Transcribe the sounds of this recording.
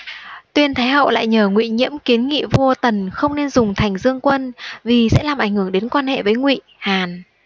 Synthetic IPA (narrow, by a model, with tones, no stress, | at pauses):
t̪wi˧ənt̪ʰaː˨˦jhə̰˧˨wla̰ː˧˨jɲəː˧˩ŋwḭ˧˨ɲḭ˧˥əmki˨˦ənŋḭ˧˨vu˧ət̪ə˨˩nxə˧wŋ͡mne˧nzʊ˨˩ŋ͡mt̪ʰa˨˩jŋ̟zɨ˧əŋkwə˧nvi˨˩sɛ̰˧˥laː˨˩mʔa˧˩ŋ̟hɨ˧˩əŋɗe˨˦nkwaː˧nhɛ̰˧˨vəː˨˦jŋwḭ˧˨haː˨˩n